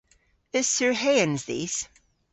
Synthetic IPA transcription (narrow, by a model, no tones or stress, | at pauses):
ɨz̥səɹɦeɪɨ̃nzðḭːz̥